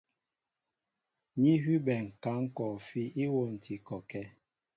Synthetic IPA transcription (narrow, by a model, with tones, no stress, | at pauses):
ɲi˦ɦi˦bɛ˨ŋ̩˨ka˨˦ŋ̩˦kɔ˨fi˦i˦wo˦˨n̩˨ti˨kɔ˨kɛ˦